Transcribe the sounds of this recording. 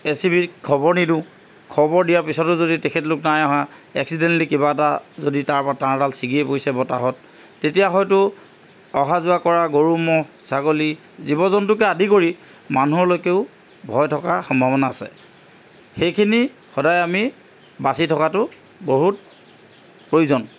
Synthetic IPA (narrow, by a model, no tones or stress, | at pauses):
esibikʰɔbɔɹnidũ | kʰɔbɔɹdijaɹpisɔtʊzoditekʰɛtlʊknajɔɦãɛ̰ksidɛntlikibatazoditaɹpɔataɹdalsiɡiɛpojsɛbɔtaɦɔt̚ː | etijaxɔjtʊ | ɔɦazʊakɔɹaɡoɹumɔsaɡoli | zibɔzɔntʊk̬ɛadʱikoɹi | manuɔɹlojkeʊ | bʱɔjtʰɔkaxɔmbʱabɔnaːsɛ̰ | xejkʰini | xɔdajami | basitʰɔkatʊ | boɦut̚ | pɹojuzɔn